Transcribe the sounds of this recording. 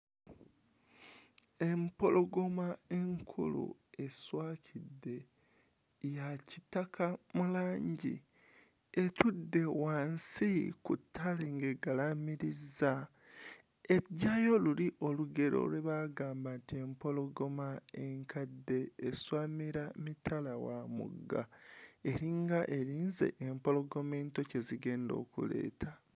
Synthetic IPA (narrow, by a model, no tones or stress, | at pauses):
e̞mpo̞lo̞ɡo̞mae̞ŋkʰṵlṵe̞swaːcʰidːe̞ | jacitakʰamulaːɲɟḭ | etʰudːe̞waːnsikṵtʰːaleŋɡeɡalamiɾizːa | eɟːaːjo̞luliʔo̞luɡe̞ɾo̞̰lweβaːɡaːmbantie̞mpo̞lo̞ɡo̞maeŋkadːeːswaːmiɾamitʰalawamṵɡːa̰e̞ɾiŋɡaʔeɾiːnze̞̰ʔempo̞lo̞ɡo̞me̞ːnto̞ce̞ziɡe̞ːndo̞̰ːkṵle̞̰ːtʰa